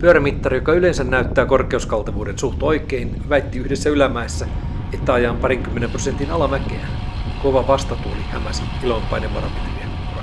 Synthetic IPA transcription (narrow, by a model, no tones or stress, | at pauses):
pyøɾæmit̪ːɑrjokɑylensænnæyt̪ːæːkorkeuskɑlt̪ɑʋuːdensuht̪oikein | ʋæit̪ːiyhdesːæylæmæesːæ | et̪ːæɑjɑmpɑriŋkymːenemprosent̪inɑlɑmækḛæn | koʋɑʋɑst̪ɑt̪uolihæmæsi | ilompːɑ̰ineʋʋɑ̰rɑ̰pit̪eʋiæ